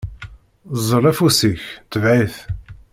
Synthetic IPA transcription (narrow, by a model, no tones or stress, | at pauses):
zˤəɾˤæfusiçt̪əvʕiθ